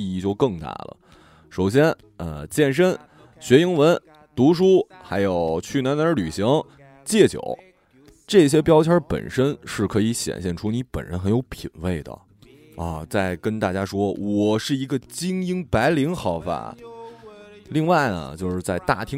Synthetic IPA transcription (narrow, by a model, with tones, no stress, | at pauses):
i˥˩t͡ɕjo˥˧ʊkɤ˥˧ŋt̪a̰˥˩lə̰˩ | ʂo˨˩ʊɕ̬jɛ˥n | ə˧t͡ɕjɛ˥˩nʂ̬ə˥n | ɕɥɛ˧˥i˧˥ŋwə˧˥n | t̪u˧˥ʂ̬u˥xa˧˥ɪjo˨˩ʊt͡ɕʰy˥˩na˧˥nə˞˧˥ly˨˩ɕi˧˥ŋ | t͡ɕjɛ˥˩t͡ɕjo̰˨˩˦ʊ | ʈ͡ʂɤ˥˩ɕ̬jɛ˥pjɑ˥ʊt͡ɕʰjɑ˞˥pə̰˨˩nʂə˥nʂɻ̩˥˩kʰɤ˧˥i˧˥ɕjɛ̰˨˩nɕjɛ˥˩nʈ͡ʂʰu˥ni˧˥pə̰˨˩nɻə̰˧˥nxə˧˥njo˧˥ʊpʰi˨˩nwe˥˩ɪd̪ə̰˩ | ɐ˧˩t͡sa˥˩ɪkə˥nt̪a˥˩t͡ɕja˥ʂwɔ˥wɔ˨˩ʂɻ̩˥˩i˧˥ɡə˧t͡ɕi˥ŋi˥ŋpa˧˥ɪli˧˥ŋxɑ˧˩ʊfa̰˨˩ | li˥˧ŋwa˥˩ɪnə̰˩t͡ɕjo˥˧ʊʂɻ̩˥˧t͡sa˥˧ɪt̪a˥˩t̪ʰi˥